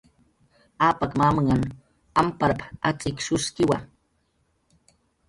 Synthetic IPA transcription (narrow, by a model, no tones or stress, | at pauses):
aːpakmaːmaŋan | ampaɾapat͡sʼɪkʃʊskɪwa